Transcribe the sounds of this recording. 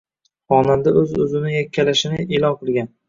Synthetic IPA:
ɒnamd̪aʔɵzɵzɪnɪjakʲʰːalaʃɪnɪelɒnqʰɨlˠɡʲan

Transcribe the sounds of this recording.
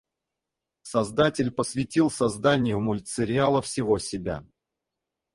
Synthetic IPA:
sɐzd̪atʲɪlʲpəsvʲɪtʲilˠsɐzd̪anʲɪjəvmʊlʲt̪sɨɾʲɪalˠəfsʲɪvo̞sʲɪbʲa̰

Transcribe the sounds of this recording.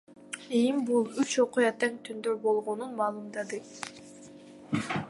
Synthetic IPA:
imbulˠyt͡ʃo̞qujɑt̪eŋt̪ʰynd̪øɾbo̞lˠʁonunmɑːlˠumd̪ɑd̪ɯ

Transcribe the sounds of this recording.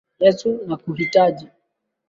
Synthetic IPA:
ɛsunakuhitaʄi

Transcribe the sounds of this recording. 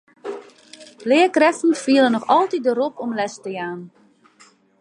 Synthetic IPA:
lɪːəkrɛsn̩fiəlˠənɔxɑlˠtidəɾɔpɔmlɛstəjaːn

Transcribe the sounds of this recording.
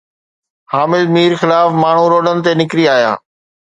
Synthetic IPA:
haːmɪlmiːɾxɪlaːfmaːɳ̤uɾoːɗənɪt̪enɪkɾiaːɦija̰ː

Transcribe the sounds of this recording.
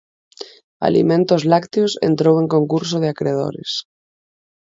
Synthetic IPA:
a̰lḭmẽnt̪ozlakt̪josḛnt̪ɾoweŋkoŋkuɾs̬oð̞eakɾeð̞o̰ɾḛs

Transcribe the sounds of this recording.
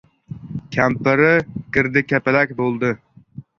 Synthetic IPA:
kʲʰɛmpɪɾɪɡ̥ʲɪɾd̪ɪkʲʰɛpɪlɛkʲbolˠd̪ɨ

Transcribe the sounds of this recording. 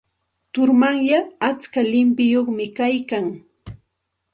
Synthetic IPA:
t̪ʊɾmaŋjaat͡skalɪmpɪjoχmɪkajkaŋ

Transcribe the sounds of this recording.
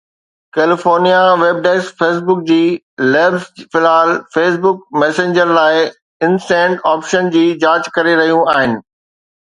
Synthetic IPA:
keːlɪfoːɾnijaʋeːb̚ɖeːsfeːs̬bʊk̚d͡ʑiː | leːbzfɪlaːlfeːs̬bʊkmɛːsẽɲd͡ʑəɾlaːɪ | ɪnsɛ̃ːɳɖaːpʃənd͡ʑiːd͡ʑaːt͡ɕkɐɾeɾɐɦijũaːɦɪnɪ̆

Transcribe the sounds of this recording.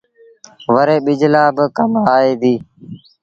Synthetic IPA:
ʋəɾeːɓɪd͡ʒlaːbəkəmaːeːd̪iː

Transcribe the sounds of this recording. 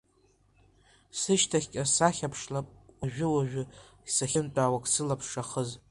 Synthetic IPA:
sɨʃtʰaχʲkʲʼasaχʲapʰʂlapʼwaʒᶣʊwaʒᶣʊ | saχʲɪnt͡pʼaːwakʼsɨlapʰʂaχəz

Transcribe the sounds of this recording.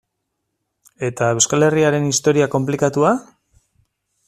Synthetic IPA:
e̞t̪aewskale̞riaɾe̞nist̪o̞ɾiako̞mplikat̪ua

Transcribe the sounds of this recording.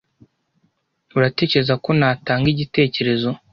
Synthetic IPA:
uɾate̞ːce̞ɾezako̞naːtaːŋɡiɟite̞ːce̞ɾe̞zo̞

